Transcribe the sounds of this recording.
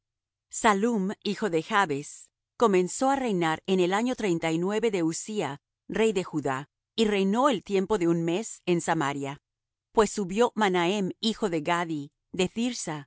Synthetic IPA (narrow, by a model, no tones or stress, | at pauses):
salumixo̞ðe̞xaβe̞s | ko̞mẽ̞nso̞are̞jnaɾe̞nelaɲo̞t̪ɾe̞jnt̪ajnwe̞βe̞ðe̞usia | re̞jðe̞xuða | ire̞jno̞elt̪je̞mpo̞ðe̞unme̞se̞nsamaɾja | pwe̞sːuβjo̞manae̞mixo̞ðe̞ɣaði | ðe̞θiɾsa